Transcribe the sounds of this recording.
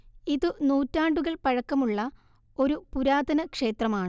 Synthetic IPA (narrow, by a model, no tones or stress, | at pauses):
iðɨnuːtːaːɳɖuɣɐɭpɐɻɐkːɐmuɭːɐ | o̞ɾupuɾaːd̪ɐnɐkʂe̞ːt̪rɐmaːɳɨ